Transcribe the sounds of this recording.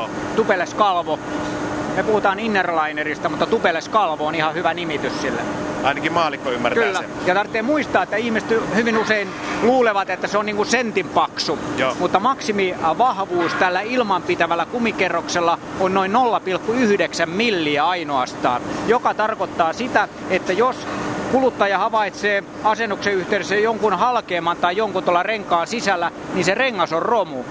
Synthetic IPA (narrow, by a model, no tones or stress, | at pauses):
t̪upeleskɑlʋo | mepuhut̪ɑːninːerlɑinerist̪æmut̪ːɑt̪upeleskɑlʋoonihɑhyʋænimit̪yssilːḛɑinɑkimɑːlikːoymːært̪kylːæ | jɑt̪ɑrt̪ːeːmmuist̪ɑːet̪ːæihmiset̪hyʋinuseinluːleʋɑt̪et̪ːæseonniːŋkunsent̪impɑksujomut̪ːɑmɑksimiʋɑhʋuːst̪ælːæilmɑmpit̪æʋælːækumikerːokselːɑonnoinnolːɑpilkːuyhydeksæmmilːiæɑinoɑst̪ɑ̰ːnjokɑt̪ɑrkot̪ːɑːsit̪æet̪ːæjoskulut̪ːɑːjɑhɑʋɑit̪seː | ɑsenːukseyht̪eˑyɾesejoŋkunhɑlkeːmːɑnt̪ɑijoŋkut̪olːɑreŋkɑːnsisælːæ | ninsereŋːɑsorromu